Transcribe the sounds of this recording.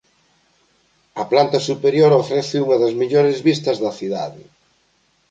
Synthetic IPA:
ɐplant̪ɐsupeɾjoɾofɾɛθɪuŋɐðɐzmiʎoɾɪzβist̪ɐzðɐθiða̰ðɪ̰

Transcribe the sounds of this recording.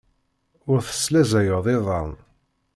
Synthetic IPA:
ʊɾθə̥slæzæjəðˤeðˤɑ̰n

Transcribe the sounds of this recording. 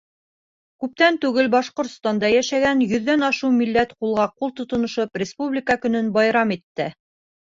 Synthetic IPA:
kʉp̚t̪ænt̪ʉɡɘlbɑʃqŏɾt̪st̪ɑnd̪ɑjæʃæɡænjɵ̆ðːænɑʃɤwmilːæt̪qulˠʁɑqulˠt̪ŏt̪ŏnŏʃɤprʲɪspublʲɪkəkɵ̆nɵnbɑjɾɑmit̪ːɘ

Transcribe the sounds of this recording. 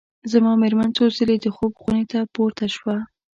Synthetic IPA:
zamɑmeɾmant͡sozəled̪əxobɣunet̪apoɾt̪aʃwa

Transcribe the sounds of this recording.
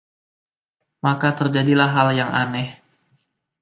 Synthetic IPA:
makat̪ərd͡ʒadilaɦɦaljaŋʔa̰nɛh

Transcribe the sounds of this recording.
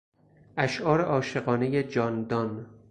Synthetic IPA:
ʔæʃʔɒːɾeʔɒːʃe̞ɣɒːne̞jed͡ʒɒːnd̪ɒn

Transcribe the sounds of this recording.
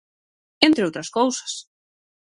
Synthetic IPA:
ent̪ɾɪowt̪ɾaskowsḁs

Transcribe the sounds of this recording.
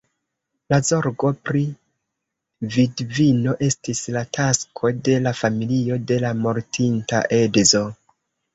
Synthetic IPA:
lazo̞ɾɡo̞pɾi | vidvino̞ʔe̞stislatʰaskʰo̞de̞lafamilio̞de̞lamo̞ɾtʰinta̰ʔe̞dzo̞

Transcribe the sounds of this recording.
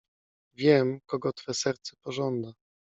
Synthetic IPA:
vʲjɛmkɔɡɔt̪fɛsɛɾt̪sɛ̥pɔʐɔnd̪a

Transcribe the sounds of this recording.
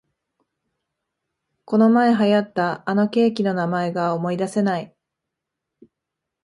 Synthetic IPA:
ko̞no̞mae̞ɦajat̪ːaːno̞kʲe̞ːkʲino̞namae̞ɡaomo̞id̪ase̞nai

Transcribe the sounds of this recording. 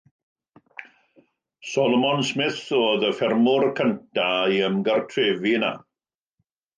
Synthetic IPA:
sɔlˠɔmɔnsmɪθoːðəfɛrmʊrkʰəntʰaiəmɡərtʰreːvina̰

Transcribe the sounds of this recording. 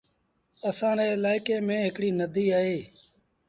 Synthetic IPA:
əsãːɾeːɪlaːɪkeːmẽːɦɪkɽiːnəd̪ʱiːaːɦeː

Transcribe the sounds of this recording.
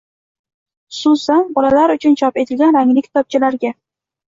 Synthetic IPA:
ʊ̥sʊsanbɒlalaɾʊt͡ʃʰʊnt͡ʃʰɒpe̞t̪ʰɪlɡʲanɾaŋlɪkʲt̪ʰɒp̚t͡ʃʰɪlaɾɡʲa

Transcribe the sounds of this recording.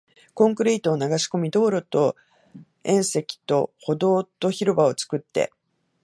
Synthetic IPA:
kõ̞ŋkɯ̟ɾʲiːt̪oːnaɡaɕi̥ko̞mʲid̪o̞ːɾo̞t̪o̞ | ẽ̞ɰ̃se̞kʲi̥t̪o̞̰ho̞d̪o̞ːt̪o̞çiɾɯ̟bao̞t͡sɨ̥kɯ̟t̪ːe̞̰

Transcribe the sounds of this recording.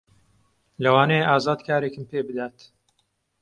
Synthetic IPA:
lɐwaːnɛjeʔaːzaːd̪kʰaːɾekɨmpeːbɨd̪aːt̪

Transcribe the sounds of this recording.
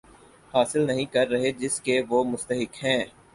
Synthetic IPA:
haːsɪlnɐɦĩkɐɾːɐɦed͡ʒɪskeʋoːmʊst̪əɦɪkɦɛ̃ː

